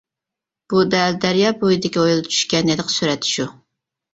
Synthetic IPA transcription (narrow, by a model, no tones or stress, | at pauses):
b̥ud̪æld̪æɾjɑːbojid̪ɪkʲiojulˠt͡ʃʰy̥ʃkʲɛned̪ɨqsyɾɛt̪ʰɪ̥ʃu